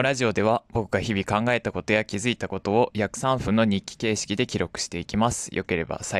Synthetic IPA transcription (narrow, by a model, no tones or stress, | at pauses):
ɾaʑio̞d̪e̞β̞abo̞kɯ̟ɡaçibʲikãŋɡae̞t̪ako̞t̪o̞jakʲizɨit̪ako̞t̪o̞ːjakɯ̟̥sãɰ̃ɸɯ̟̃nːo̞ɲ̟ikʲːi̥ke̞ːɕi̥kʲid̪e̞kʲiɾo̞kɯ̟ɕi̥t̪e̞ikʲimasɨ̥jʔo̞̰ke̞ɾe̞ba̰sa